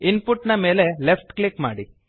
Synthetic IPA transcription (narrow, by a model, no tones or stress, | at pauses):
inpuʈːnɐme̞ːle̞lepʈklikma̰ːɽi